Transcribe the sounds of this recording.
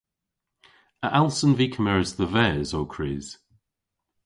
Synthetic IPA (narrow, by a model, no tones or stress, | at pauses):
əʔalˠsə̃nviːkʰəmɛɹzðəvɛːzoːkʰɹ̥iːz̥